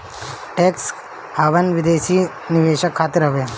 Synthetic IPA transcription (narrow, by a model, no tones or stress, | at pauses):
ʈeks | aːʋɐnʋid̪eːʃiː | niʋeːɕɐkʰːaːt̪iɾɦɐʋe